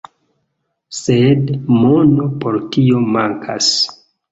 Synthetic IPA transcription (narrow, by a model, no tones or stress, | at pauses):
sedmo̞no̞poɾkiomaŋkʰa̰s